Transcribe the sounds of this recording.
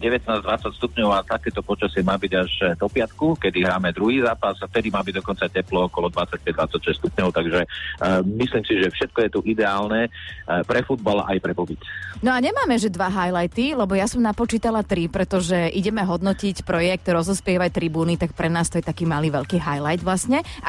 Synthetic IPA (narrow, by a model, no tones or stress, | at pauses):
ɟɛʋɛt̪̚naːzd̪ʋat͡sacst̪upɲɔʊat̪akɛːt̪ɔpɔt͡ʃasɪɛmaːbiɟaʒd̪ɔpɪat̪kukɛd̪iɦɾaːmɛd̪ɾuɦiːzaːpasaft̪ɛd̪imaːbiɟ̚d̪ɔkɔnt͡sacɛplɔɔkɔlɔd̪ʋat͡sac̚pɛɟ̚d̪ʋat͡sacʃɛst̪upɲɔʊt̪aɡʒɛmisliːmsiʒɛfʃɛt̪̚kɔjɛt̪uʔid̪ɛaːlnɛpɾɛfud̪balʔa̰jpɾɛbɔbitnɔaɲɛmaːmɛʒɛd̪ʋaɦajlajt̪ilɛbɔjasɔmnapɔt͡ʃiːt̪alat̪ɾipɾɛt̪ɔʒɛʔiɟɛmɛɦɔd̪nɔcicpɾɔjɛk̚t̪ɾɔzɔspɪɛʋact̪ɾibuːnit̪ak̚pɾɛnaːst̪ɔjɛt̪akiːmaliːʋɛʎkiːɦajlajd̪ʋlasɲɛ